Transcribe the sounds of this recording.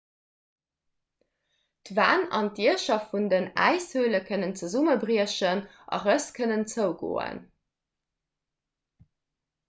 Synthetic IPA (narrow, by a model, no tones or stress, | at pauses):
tva̰ːnɑ̰ntiəʃɐtfundənæ̰ɪshøːləkʰənənt͡səzuməbʁiəɕənʔɑ̰ʁəskʰənənt͡səʊɡo̰ːə̰n